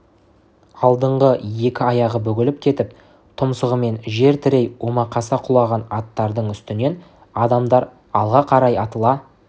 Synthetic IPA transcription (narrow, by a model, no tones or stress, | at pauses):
ɑlˠd̪əɴʁəje̞kʲɪɑjɑʁəbɵɡʲɪlɪp̚kʲʰe̞t̪ɪp̚ | t̪ʰʊmsəʁəme̞nʒe̞ɾt̪ʰɪɾejwomɑqʰɑsɑqʰʊlˠɑʁɑnɑt̪ːɑɾd̪əɴʏst̪ɪne̞n | ɑd̪ɑmd̪ɑɾ | ɑlˠʁɑqʰɑɾɑjɑt̪əlˠɑ